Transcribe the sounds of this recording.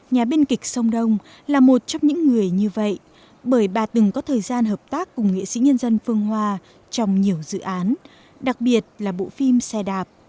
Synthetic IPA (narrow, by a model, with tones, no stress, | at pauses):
ɲaː˨˩ɓi˧nkï˨˩k̟̚sə˧wŋ͡mɗə˧wŋ͡m | laː˨˩mo˨˩t̚t͡ɕɔ˧wŋ͡mɲɨ̰˧˥ŋːɨ˨˩əjɲɨ˧və̰˧˨j | ɓəː˧˩jɓaː˨˩t̪ɨ˨˩ŋkɔ˨˦t̪ʰəː˨˩jzaː˧nɦəː˨˩p̚t̪aː˦˥kːʊ˨˩ŋ͡mŋḭ˧˨sḭ˧˥ɲə˧nzə˧nfɨ˧əŋɦwaː˧ | t͡ɕɔ˧wŋ͡mɲi˨˩əwzɨ̰˧˨ʔaː˨˦n | ɗa˨˩k̚ɓi˨˩ət̚laː˨˩ɓo̰˧˨fi˧msɛ˧ɗaː˨˩p̚